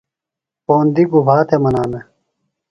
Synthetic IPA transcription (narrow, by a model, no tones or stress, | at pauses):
poːnd̪iɡubʱaːt̪ʰemɐnaːme